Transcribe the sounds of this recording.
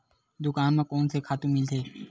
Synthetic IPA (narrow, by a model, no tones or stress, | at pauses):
d̪ʊkaːnmẽkɔːnsekʰaːt̪ũmɪlt̪ʰeː